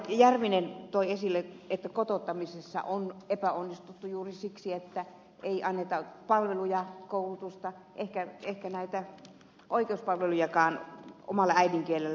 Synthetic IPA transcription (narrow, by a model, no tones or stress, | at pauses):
jærʋinent̪oiesilːeet̪ːækot̪ot̪ːɑmisesːɑ̰ʔonepæonːist̪ut̪ːujuːrisiksiet̪ːæ | eiʔɑnːet̪ɑpɑlʋelujɑkoulut̪ust̪ɑ | ʔehkæehkænæit̪æ | ʔoikeuspɑlʋelujɑkɑːno̰mɑlːɑæidiŋkielːˑelːæ